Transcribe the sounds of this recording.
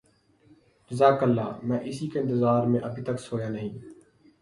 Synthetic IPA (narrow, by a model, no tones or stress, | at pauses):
ɾɪzaːkəlːa̰ːmɛ̃ːʔɪsiːkeɪ̃nt̪ɪzaːɾmẽːʔəbʱiːt̪əksoːjãːnəɦĩː